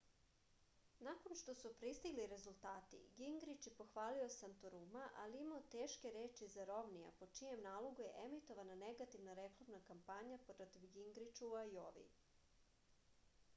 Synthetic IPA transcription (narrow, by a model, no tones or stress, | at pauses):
nako̞nʃt̪o̞supɾist̪iɡliɾe̞zulˠt̪aːt̪ḭɡiŋɡɾit͡ʃjepo̞xʋaːlio̞sant̪oɾumaʔa̰liimaot̪e̞ːʃkeɾeːt͡ʃizaɾo̞ʋnija̰po̞t͡ʃijemnaːlˠoɡujeʔemit̪o̞ʋanane̞ɡat̪iʋnaɾe̞klˠamnakampaɲapɾot̪iʋɡiŋɡɾit͡ʃuuajoʋḭ